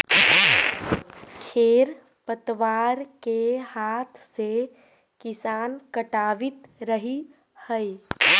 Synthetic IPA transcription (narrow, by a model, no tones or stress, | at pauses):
kʰeːɾ | pət̪ʋaːɾkehaːt̪ʰse | kɪsaːnkəʈaːʋɪt̪ɾəɦi | həi